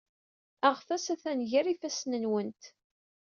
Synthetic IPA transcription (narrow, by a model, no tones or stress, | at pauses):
əʁfæsæθænʝæɾifæsnənwənt̪